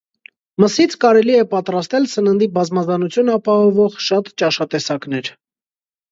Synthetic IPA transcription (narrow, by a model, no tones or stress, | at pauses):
məsit͡sʰkɑɾɛliɛpɑt̪ɾɑst̪ɛlsənənd̪ibɑzmɑzɑnut͡sʰjunɑpɑhɔvɔʁʃɑt̪t͡ʃɑʃɑt̪ɛsɑknɛɾ